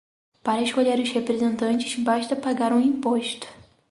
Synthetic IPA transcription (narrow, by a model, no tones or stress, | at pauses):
paɾɐeʃkoʎeɾʊzhepɾezẽnt̪ɐ̃nt͡ʃɪ̥zbaʃt̪ɐpaɡaɾũĩpoʃt̪ʊ̥